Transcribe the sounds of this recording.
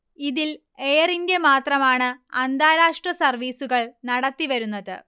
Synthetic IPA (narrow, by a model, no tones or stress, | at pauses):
iðil | e̞ːrinɡe̞maːt̪rɐmaːɳɨɐnd̪ʱaːɾaːʂʈrɐsɐrʋiːsuɣɐɭnɐɽɐt̪ːiʋɐɾunːɐðɨ̰